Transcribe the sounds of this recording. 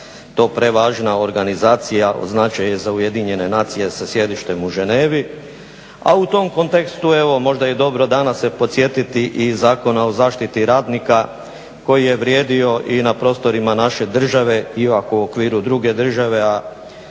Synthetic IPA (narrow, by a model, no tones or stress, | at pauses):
t̪o̞ːpɾe̞ʋaːʒnao̞ɾɡanizaːt̪sijaʔo̰znat͡ʃajezauje̞d̪iɲe̞ne̞naːt̪sije̞sasje̞d̪iʃt̪e̞muʒeneːʋi | a̰ut̪o̞mko̞nt̪e̞kst̪ue̞ʋo̞mo̞ʒd̪ajed̪o̞bɾo̞d̪anasepo̞t̪sjet̪it̪iʔizaːko̞nao̞zaːʃt̪it̪iɾaːd̪nika | ko̞jije̞ʋɾje̞ːd̪io̞ʔinapɾo̞ːst̪o̞ɾimanaʃe̞d̪r̩ʒaʋe̞ipakuo̞kʋiːɾud̪ɾuɡe̞d̪r̩ʒaʋe̞a